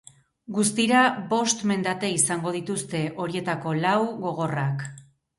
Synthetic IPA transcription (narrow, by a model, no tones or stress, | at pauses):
ɡus̬t̪iɾaβo̞st̪me̞nd̪at̪e̞isaŋɡo̞ð̞it̪ust̪e̞ʔo̞ɾie̞t̪ako̞lawɣo̞ɣ̞o̞rak